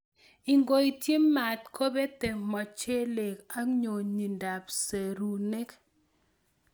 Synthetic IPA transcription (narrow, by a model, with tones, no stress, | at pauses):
i˨ŋɡo˨i˨tji˦mːa˨tkʰo˦be˦te˨mɔ˨t͡ʃe˦le˨ka˦ɲo˨ɲi˨nda˨pse˨ɾu˨ne˦k